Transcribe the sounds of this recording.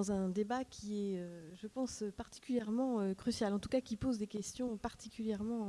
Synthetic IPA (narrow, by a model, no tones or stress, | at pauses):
ɑ̃zɛ̃d̪ebakʲʰiɛøʒəpɑ̃søpaʁt̪i̥kʲyljɛʁmɑ̃økχysjalɑ̃t̪u̥kakʲipozd̪ekʲɛst̪jɔ̃paʁt̪ikʲyljɛʁmɑ̃